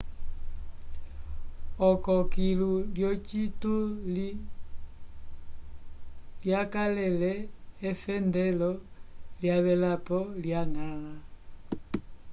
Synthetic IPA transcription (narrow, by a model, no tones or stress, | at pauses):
ɔkɔkiluljɔt͡ʃitu | ljakalɛlɛːfɛndɛlɔljaβɛlapɔljaŋala